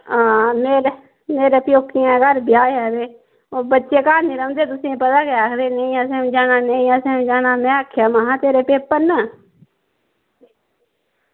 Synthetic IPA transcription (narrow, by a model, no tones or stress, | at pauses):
ãːmeːɾ | meːɾəpjoːkʰːɪjãːɡəɾbjaːeɦɛːʋeː | oːbətːʃeːkaːniːɾə̃ːnd̪eːt̪ʊsĩːpət̪aːkeaːkʰd̪eːnəĩːəsẽːd͡ʒaːnaːnəĩːəsẽːd͡ʒaːnaːmɛ̃ːaːkʰːjaːmãːɦãːt̪eːɾeːpeːpːənə